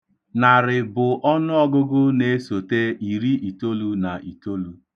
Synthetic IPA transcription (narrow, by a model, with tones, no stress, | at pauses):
na˨ɾɪ˨bʊ˨ʔɔ˦nʊ˦ɔ˦ɡʊ˦ɡʊ˦ne˦so˨te˦i˨ɾi˦i˨to˦lu˦na˨ʔi˨to˦lu˦